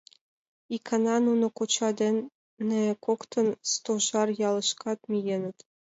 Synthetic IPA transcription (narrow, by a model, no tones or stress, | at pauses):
ikʰːɑnɑnunɤ̆kut͡ɕɑd̪ʲenʲː | ɘ̆kokt̪ɤ̆nst̪oʒɑrjɑlˠɤ̆ʃkɑt̪mʲijenʲɘ̆t̪ʲ